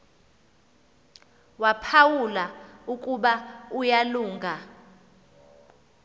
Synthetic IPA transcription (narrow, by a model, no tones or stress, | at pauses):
wapʰawulaukʼuɓaujaluːŋɡʱa